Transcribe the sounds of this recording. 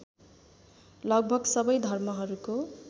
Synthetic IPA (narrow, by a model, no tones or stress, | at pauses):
lʌɡ̚bʱʌɡsʌbʌjd̪ʱʌrmʌɦʌɾuko